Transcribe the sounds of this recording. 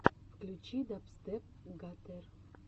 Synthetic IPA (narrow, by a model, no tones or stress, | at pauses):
fklʲut͡ɕid̪apst̪ep̚ | ɡat̪er